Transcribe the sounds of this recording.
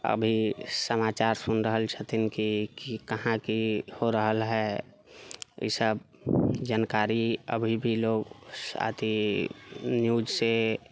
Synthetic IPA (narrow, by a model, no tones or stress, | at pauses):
ə̰bʱisəmaːt͡ʃaːɾsʊnɾəɦəlt͡ʃʰət̪ɪnkikikəɦãkihoɾəɦəlɦɛ | ḭsəb̚ | d͡ʒənkaːɾiə̰bʱibʱiloːɡsa̰ːt̪i | njuːd͡ʒse